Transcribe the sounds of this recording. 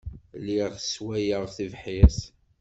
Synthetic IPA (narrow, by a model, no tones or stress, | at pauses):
liʁəswæjəʁθivħɪθ